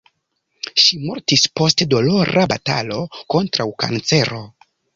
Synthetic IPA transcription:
ʃimo̞ɾtispo̞stedo̞lo̞ɾʔabata̰lo̞ko̞ntɾawka̰nt͡se̞ɾo̞

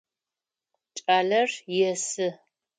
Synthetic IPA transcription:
t͡ʃʼaːɮɐrjɛsɨ

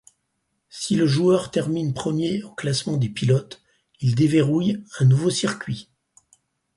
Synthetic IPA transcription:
siləʒuœʁt̪ɛʁminpχəmjeoklasmɑ̃d̪epilɔt̪ | ild̪eveʁujɛ̃nuvosiʁkʲɥi

